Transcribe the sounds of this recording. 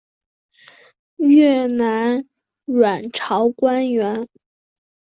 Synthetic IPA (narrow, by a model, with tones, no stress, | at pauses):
ɥɛ˥˩na˧˥n | ɻwa˨˩nʈ͡ʂʰɑ˧˥ʊkwa˥nɥɛ˧˥n